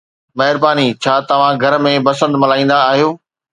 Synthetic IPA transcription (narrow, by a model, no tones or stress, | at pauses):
mɐɦɪɾbaːnit͡ɕʰaːt̪ɐʋ̤ãɡʱɐɾmẽbɐsə̃nd̪mɐlaːĩːn̆d̪aːɦijoː